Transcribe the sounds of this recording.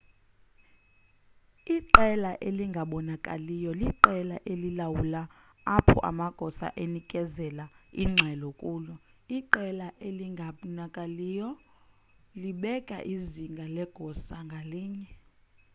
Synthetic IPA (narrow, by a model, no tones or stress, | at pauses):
iǃɛlaʔeliŋɡʱaɓɔnakʼalijɔliǃɛlaʔelilawulaː | pʰɔ̰ʔa̰maɡ̥ʱɔsa̰ʔenikʼɛzɛlaiŋ͡ǁʱɛlokʼuːlɔiǃɛlaʔeliŋɡʱanakʼaliːjɔ | liɓɛkʼa̰ʔiziŋɡʱalɛɡ̥ʱɔsaŋɡʱaliːɲɛ